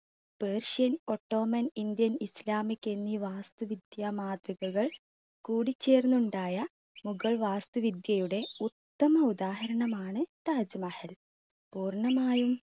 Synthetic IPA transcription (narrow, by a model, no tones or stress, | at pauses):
peːrʂɐno̞ʈːo̞ːmɐnind̪jɐnislaːmikːe̞nːiʋaːst̪uʋid̪jaːmaːd̪riɣɐɣɐɭ | kuːɽit͡ɕːe̞ːrnːuɳɖaːjɐ | muɣɐɭʋaːst̪uʋid̪jɐjuɽe̞ut̪ːɐmɐud̪aːhɐɾɐɳɐmaːɳɨt̪aːd͡ʑɐmɐhɐl | puːrɳɐmaːjum